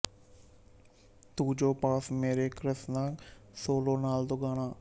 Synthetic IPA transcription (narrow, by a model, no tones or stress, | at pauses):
t̪uːd͡ʒoːpaːsmeːɾeːkɾəsnasoːloːnaːld̪oɡaːnaː